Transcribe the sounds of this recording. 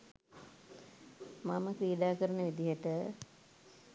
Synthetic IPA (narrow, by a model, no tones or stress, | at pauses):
maməkɾiːɖaːkəɾənəʋid̪iɦəʈə